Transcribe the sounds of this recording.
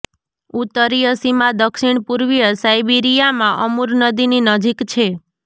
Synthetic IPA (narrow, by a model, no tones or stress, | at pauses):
ut̪ːəɾijəsimad̪əkʃiɳ̃puɾʋijəsajbiɾijamãʔəmuɾnəd̪ininəd͡ʒikt͡ʃʰe